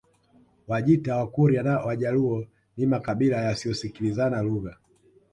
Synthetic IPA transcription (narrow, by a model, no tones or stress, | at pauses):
waʄitawakuɾianawaʄaluɔ | nimakaɓilajasijɔsikilizanaluɣa